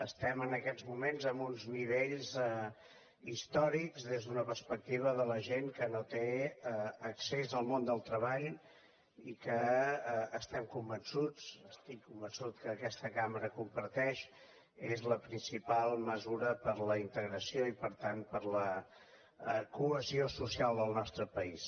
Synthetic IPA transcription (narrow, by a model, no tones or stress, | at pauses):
əst̪ɛmənəkɛd͡zmumenzəmbunzniβ̞eʎz | ist̪ɔɾikzðezðunəpəɾspək̚t̪iβ̞əðələʒeŋkənot̪eəəksezəlˠmond̪əlˠt̪ɾəβaʎ | ikəː | st̪ɛmkumbənsut͡səst̪ikːumbənsut̪kəːkɛst̪əkaməɾəkumpəɾt̪ɛʃ | ezləpɾinsipalˠməzuɾəpəɾləint̪əɣɾəsioipəɾt̪anpəɾlə | kuəziosusialˠd̪əlˠnɔst̪ɾəpəis